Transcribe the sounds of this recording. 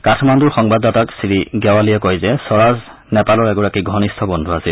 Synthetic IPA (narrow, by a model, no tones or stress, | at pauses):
katʰmanduɹxɔŋbadːɔtaksiɹiɡɛwalijɛkɔjzɛsɔɹaz | nɛpalɔɹɛɡɔɹakiɡʱɔnistʰɔbɔndʱuasil